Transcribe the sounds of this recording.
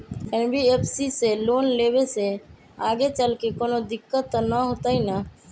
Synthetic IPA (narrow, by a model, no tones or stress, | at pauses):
ɛnbiepʰsiseloːnleːbese | aːɡet͡ʃəlkekoːnod̪ɪkːət̪ːnəɦot̪aina